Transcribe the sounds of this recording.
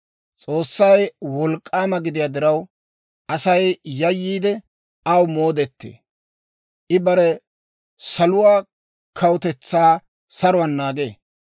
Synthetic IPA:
t͡sʼo̞ːsːɐjwɔlkʼːaːmɐɡɪd̪ɪjaːd̪ɪɾɐw | ʔɐsɐjjɐjːiːd̪ɛ | ɐwmoːd̪ɛt̪ːḛː | ʔɪbɐɾɛ | sɐlʊwaː | kʰɐwʊt̪ɛt͡sːaː | sɐɾʊwɐnːaːɡḛː

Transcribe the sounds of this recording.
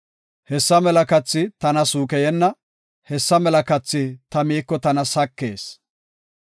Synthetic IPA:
hɛsːɐmɛlɐkɐt͡sːɪt̪ɐnɐsuːkɛjɛnːɐ | hɛsːɐmɛlɐkɐt͡sːɪt̪ɐmiːkːɔt̪ɐnɐsɐkːe̞ːs

